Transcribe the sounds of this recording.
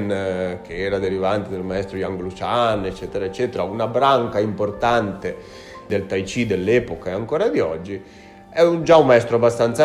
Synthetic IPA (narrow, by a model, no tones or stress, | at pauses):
nk̟ʰeɛːɾad̪eɾivant̪ed̪elmaɛst̪ɾoiaŋɡlut͡ʃanet͡ʃːɛːt̪eɾaet͡ʃːɛːt̪eɾaunabɾaŋkaimport̪ant̪e | d̪elt̪ajt͡ʃid̪elːɛːpokaeaŋkoːɾad̪iɔd͡ʒːi | ɛund͡ʒaumːaɛst̪ɾoabːast̪ant̪sa